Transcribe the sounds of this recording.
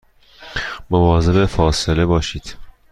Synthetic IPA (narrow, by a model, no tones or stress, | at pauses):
movɒːze̞befɒːsele̞bɒːʃiːd̪̥